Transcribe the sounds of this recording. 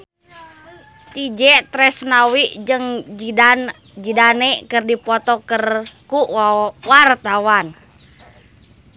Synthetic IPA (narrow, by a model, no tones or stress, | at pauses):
t̪id͡ʒɛʔt̪ɾɛsnawiʔəŋ | d͡ʒidanɛkərdipɔt̪ɔkərkuʔwart̪awan